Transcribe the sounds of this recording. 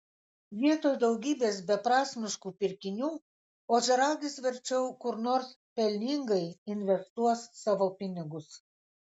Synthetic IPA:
ʋʲiɛt̪oːjd̪ɒʊɡʲiːbʲeːsbʲɛpɾɑːsʲmʲɪʃkuːpʲɪɾʲkʲɪnʲuː | oːʒʲɛɾɑːɡʲɪsʋʲɛɾʲt͡ʃʲɛʊkʊɾnoːɾs | pʲɛlʲnʲɪŋɡɐɪɪnʲʋʲɛst̪uɔsːɑːʋopʲɪnʲɪɡʊs

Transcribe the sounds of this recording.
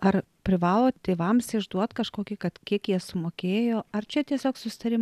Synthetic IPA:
ɐr | pʲɾʲɪʋɑːlˠoːt̪ʲeːʋɐmsɪʒd̪uɔt̪kɐʃkoːkʲiːkɐt̪kʲiɛkjiɛsʊmoːkʲeːjoːɐrt͡ʃʲɛt̪ʲiɛsʲoːksʊsʲɪ̥t̪ɐɾʲɪm

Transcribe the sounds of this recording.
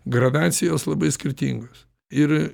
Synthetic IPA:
ɡɾɐd̪ɑːt̪sʲɪjoːslˠɐbɐɪsʲkʲɪɾʲt̪ʲḭːŋɡoːs | ɪɾ

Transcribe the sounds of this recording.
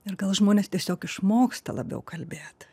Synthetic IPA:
ɪrɡɐlˠʒmoːnʲeːst̪ʲiɛsʲoːkɪʃmoːkst̪ɐ̰lˠɐ̰bʲɛ̰ʊkʰɐlʲbʲeːt̪

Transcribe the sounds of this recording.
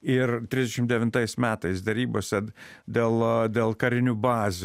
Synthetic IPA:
ɪɾt̪ʲɾʲizd̪ʲɛʃʲɪmtd̪ʲɛʋʲɪnt̪ɐɪsmʲæːt̪ɐɪsd̪ɐɾʲiːbosʲɛd̪ʲeːlˠd̪ʲeːlˠkɐɾʲɪnʲubɑːzʲ

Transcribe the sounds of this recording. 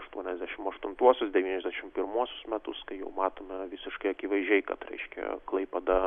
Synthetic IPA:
ɐʃt̪uɔnʲɛzʲd̪ʲæʃʲɪmɐʃt̪ʊnt̪uɔsʲʊsd̪ʲɛʋʲiːnʲɛzʲd̪ʲæʃʲɪmpʲɪɾmuɔsʲʊsmʲɛt̪ʊskɐɪjɛ̰ʊmɑːt̪oːmʲɛʋʲɪsʲɪʃkɐɪɐkʲɪʋɐɪʒʲɛɪkɐ̰t̪ɾʲɛ̰ɪʃʲkʲɛ̰klˠɐɪpʲɛd̪ɐ

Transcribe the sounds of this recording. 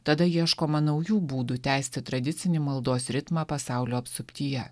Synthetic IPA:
t̪ɐd̪ɐiɛʃkoːmɐnɐɒʊjuːbuːd̪ʊt̪ʲæˑɪsʲt̪ʲɪt̪ɾɐd̪ʲɪsʲɪnʲɪmɐlˠd̪oːsɾʲɪt̪mɑːpɐsɑˑʊlʲoːɐpst̪ʊpʲt̪ʲiːjɛ

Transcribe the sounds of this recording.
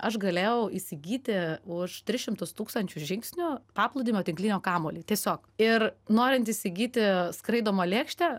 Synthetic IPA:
ɐʃɡɐlʲeːjɛʊisʲɪɡʲiːt̪ʲɪʊʃt̪ʲɾʲɪsʃʲɪmt̪ʊst̪uːkst̪ɐnʲt͡ʃʲʊʒʲɪŋksʲnʲʊpɑːplˠʊd̪ʲiːmʲoːt̪ʲɪŋklʲinʲoːkɑːmoːlʲiːt̪ʲiɛsʲoːkɪrnoːɾʲɪnt̪isʲɪɡʲiːt̪ʲɪskɾɐɪd̪oːmoːlʲeːkʃʲt̪ʲɛ

